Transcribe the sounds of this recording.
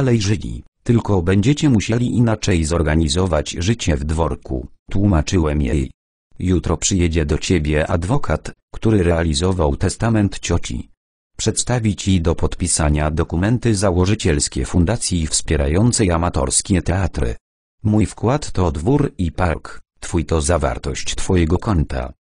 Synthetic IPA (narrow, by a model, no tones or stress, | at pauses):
alɛjʐɛlʲḭt̪ɘlkɔbɛɲd͡ʑɛt͡ɕɛmuɕɛlʲiʔinat͡ʂɛjzɔɾɡaɲizɔvad͡ʑʐɘt͡ɕɛvd̪vɔɾkṵt̪wumat͡ʂɘwɛmjɛ̰j | jut̪ɾɔpʂɘjɛd͡ʑɛd̪ɔt͡ɕebʲjɛʔa̰d̪vɔkʰat̪kt̪uɾɘɾɛalʲizɔvawt̪ɛst̪amɛnt̪t͡ɕɔt͡ɕḭ | pʂɛt̪st̪avʲit͡ɕid̪ɔpɔt̪pʲisaɲad̪ɔkumɛnt̪ɘzawɔʐɨt͡ɕɛlskʲɛ̰fund̪at̪sʲjifspʲjɛɾa̰jɔnt̪sɛjamat̪ɔ̰ɾskʲɛt̪ɛat̪ɾɘ̰ | mujfkwat̪ːɔd̪vuɾipakt̪fujt̪ɔzava̰ɾt̪ɔɕt͡ɕt̪fɔjɛɡɔkɔnt̪a̰